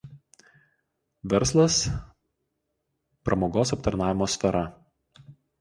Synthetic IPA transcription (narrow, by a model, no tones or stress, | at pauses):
ʋʲɛɾslˠɐs | pɾʔɐmoːɡoːsɐpt̪ɐɾnɑːʋʲɪmoːsʲfʲɛɾʔɐ